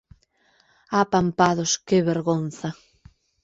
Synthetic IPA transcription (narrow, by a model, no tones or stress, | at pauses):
apampaðoskɪβeɾɣon̟θa